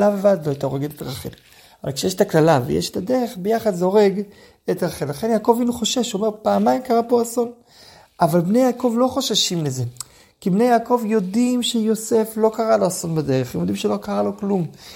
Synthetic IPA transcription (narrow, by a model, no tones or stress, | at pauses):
lavavad̪loajt̪aoʁeɡet̪etaʁaχḛl | ava̰lkʃejeʃet̪aklalavḛjeʃe̥t̪ade̞ʁe̞χbejaχadzeo̞ʁeɡ | etaʁaχenlaχe̞njaːko̞vinuχo̞ʃeʃomeʁpaːmaimkaʁapo̞aso̞n | avalbnejaːko̞vlo̞χoʃaʃimleze̞ | kibne̞jaːko̞vjo̞dimʃejo̞se̞flo̞kaʁalo̞aso̞nbade̞ʁeχḛmjod̪imʃelo̞kaʁalo̞klum